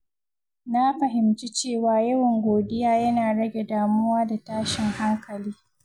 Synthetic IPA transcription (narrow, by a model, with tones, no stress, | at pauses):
na˦ɸɐ˨ɦɪ˨mt͡ʃi˦t͡ʃeː˦˨waː˨jɐ˦wɐ˨ŋɡʷoː˨dɪ˦jaː˦jɐ˦naː˨ɽɐ˦ɡʲe˨daː˨mʊ˦waː˦da˨taː˦ʃɪ˨ŋha˦ŋkɐ˨liː˦